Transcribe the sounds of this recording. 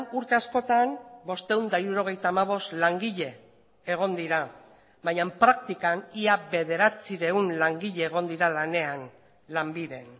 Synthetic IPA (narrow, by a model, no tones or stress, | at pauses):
nuɾt̪e̞asko̞t̪anbo̞st̪e̞und̪aiɾuɾo̞ɣ̞e̞jt̪aːmaβ̞o̞st̪laŋɡiʎe̞ː | ɣ̞o̞nd̪iɾa | βajampɾakt̪ikaniaβe̞ð̞e̞ɾat͡siɾe̞unlaŋɡiʎe̞ːɣ̞o̞nd̪iɾalane̞an | lambiðe̞n